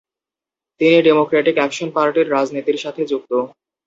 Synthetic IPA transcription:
t̪iniɖemokɾeʈikɛkʃonpaɾʈiɾɾad͡ʑnit̪iɾʃat̪ʰed͡ʑuk̚t̪o

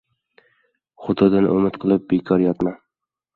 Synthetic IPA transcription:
χʊd̪ɒd̪anʔɵmɪt̪qʰɨlˠɪp̚bekʰɒɾjɒt̪man

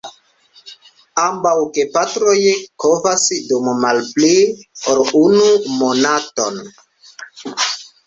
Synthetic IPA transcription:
ambawke̞patɾo̞jkovasdummalplioɾunumo̞nato̞n

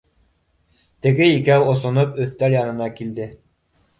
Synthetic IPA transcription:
t̪ɘ̆ɡɘikæwŏsŏnopɵ̆θt̪æljɑnɤ̆nɑkild̪ɘ

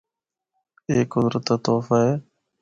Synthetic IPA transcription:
eːkɦʊzɾət̪ːaːt̪oːfaːɦeː

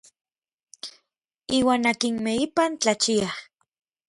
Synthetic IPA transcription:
iːwaːnakinmeipant͡ɬat͡ʃiah

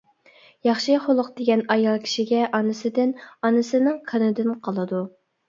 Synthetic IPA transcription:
jɑχʃɨχolˠʊqd̪̥eɡʲɛnɑjɑlˠkʲʰi̥ʃiɡʲɛʔɑnɨsɪd̪ɪnɑnɨsɪnɨŋqʰənɨd̪ɪnqʰɑlˠɨd̪u

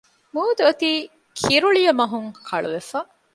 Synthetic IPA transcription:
muːd̪uɐt̪iː | kʰiɾuɭijɐmɐɦuŋkʰɐɭṵʋefa

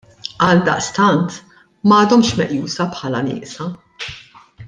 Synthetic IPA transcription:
ɐld̪ɐ̰ʔst̪ɐnt̪ | mɐːd̪ɔmʃmɛʔjuːsɐpħɐlɐnɪ̰ːʔsɐ

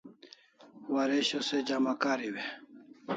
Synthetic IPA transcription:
waɾeɕosed͡ʑamakaːɾiwe

